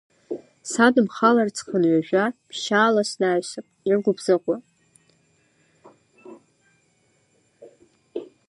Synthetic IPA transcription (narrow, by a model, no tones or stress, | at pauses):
sadɨmχalart͡sʰχənɥʷaʒᶣapʰʃaːlasnaːsɨqʼirɡʷʊbzaqʷʼa